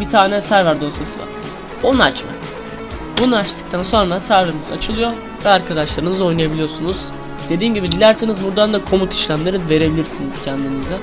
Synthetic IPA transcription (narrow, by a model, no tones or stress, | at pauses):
bit̪ʰaːnɛsæɾvæɾd̪o̞sʰasɯvˠa̰ | bonua̰t͡ʃma̰ | bunat͡ʃt̪ʰɯ̥k̚t̪ʰanso̞nɾasæɾveɾimiza̰t͡ʃʰɯlˠɯjo̞ | vɛaɾkʰad̪aʃlˠaɾɯnɯzo̞jnajabilʲijoɾsunuz̥ | d̪̥e̞d̪iːmɟibid̪ilʲæɾsenizbuɾd̪and̪akʰo̞mut̪ʰi̥ʃlʲæmlʲˠeɾive̞ɾe̞bilʲiɾsiniz̥cʰɛnd̪inizɛ